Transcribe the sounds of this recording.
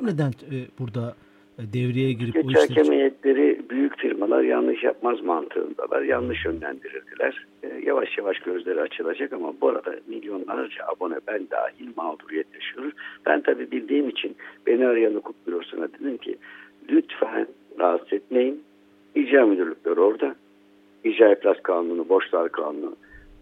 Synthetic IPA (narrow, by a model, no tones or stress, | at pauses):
ɛmned̪ænt̪b̥uɾd̪a | d̪ɛvɾijɛɟiɾiet͡ʃacʰemejɛt̪lʲe̞ɾibyjycfiɾmalˠaɾja̰nnɯʃja̰p̚mazmant̪ʰɯ̰ɯ̰nd̪a̰lˠa̰ɾjanːɯʃø̞nlʲæ̰nd̪iɾilʲd̪ilʲæɾ̥ja̰vaʃjavaʃɟø̞zlʲe̞ɾiat͡ʃʰɯlˠad͡ʒakamabuaɾad̪a̰milʲjo̞nlˠaɾd͡ʒaabo̞nɛbænd̪a̰ːɦilʲmaːd̪uɾijɛt̪jaʃijo̞ɾunb̥æ̰nt̪ʰabiːbilʲd̪iːimit͡ʃʰinb̥eniaɾjanukʰup̚biɾoɾsunad̪ed̪ʲimcʰḭlʲyt̪fɛn | ɾast̪ɛt̪̚mejin | id͡ʒaːmyd̪yɾlʲycʲlʲæɾo̞ɾd̪a | id͡ʒaːjipʰlʲaskʰaːnunubo̞ʃlˠaɾkʰaːnunu